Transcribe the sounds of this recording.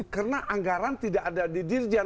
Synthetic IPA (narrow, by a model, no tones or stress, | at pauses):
kərənaʔaŋɡaɾant̪idaʔadadidɪrd͡ʒa